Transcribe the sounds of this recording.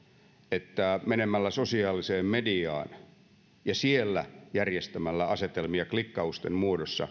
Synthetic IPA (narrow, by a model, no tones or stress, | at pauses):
et̪ːæmenemælːæsosiɑːliseːmmediɑ̰ːn | jɑsielːæ̰jærjest̪æmælːæɑset̪elmiɑklikːɑust̪emmuodosːɑ̰